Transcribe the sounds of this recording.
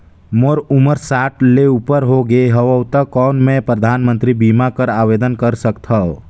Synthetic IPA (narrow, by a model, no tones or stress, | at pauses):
moːɾʊməɾsaːʈleupəɾɦoɡeɦəʋəːt̪əkɔːnmẽpɾəd̪ʱaːnmə̃nt̪ɾibiːmakəɾaːʋeːd̪ənkəɾsəkt̪ʰɦa